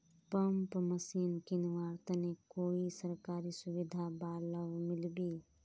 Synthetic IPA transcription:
pəmpməsiːnkinʋaːɾt̪ənekoːisəɾkaːɾisuʋid̪ʱabaːləʋmɪlbi

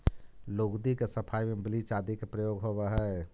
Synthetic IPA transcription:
loːɡd̪ikesəpʰajmẽblit͡ʃad̪ikepɾəjoɡɦobəɦɛ

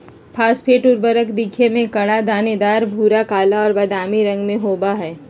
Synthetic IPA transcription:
pʰaːspʰeːʈʊɾbəɾəkd̪ɪkʰemẽkɐɽ̃ad̪aːned̪aːɾbʱuːɾakaːlaɔːɾbɐd̪aːmiɾɐ̃ŋɡmẽɦoːbaɦɛː

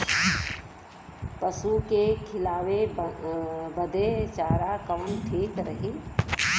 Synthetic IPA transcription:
pəsukekʰɪlaːwe | bəd̪ʱet͡ʃaːɾakəːnʈʰiːkɾəɦi

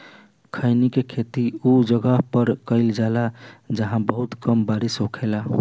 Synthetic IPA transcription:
kʰəɪnikekʰet̪iud͡ʒəɡəɦpəɾkəɪld͡ʒalad͡ʒəɦãbəɦut̪kəmbaɾisɦokʰela

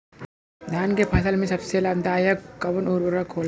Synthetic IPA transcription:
d̪ʱaːnkepʰɐsəlmẽsɐbselɐb̚d̪aːjɐkkːɐʋɐnoːɾɐɾakʰːoːl

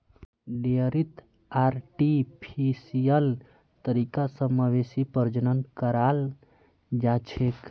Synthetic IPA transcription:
ɖeɾit̪ | aɾʈipʰisijəl | t̪əɾikasəmaʋesipəɾd͡ʒənənkəɾal | d͡ʒat͡ʃʰek

